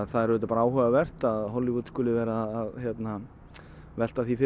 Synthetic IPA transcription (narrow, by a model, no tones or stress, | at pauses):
ðθaðɛɾʏɛt̪apaɾaaːwɦœɣavɛr̥t̪aðɦɔlɪvut̪skʏːlɪvɛːɾaːðçjɛt̪na | vɛl̥t̪aθifɪ